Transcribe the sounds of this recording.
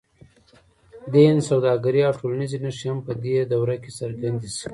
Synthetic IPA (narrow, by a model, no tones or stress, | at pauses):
d̪ensawd̪ɑɡaɾiawʈʰolanizenaʂihampəd̪ed̪awɾakesaɾɡand̪isi̥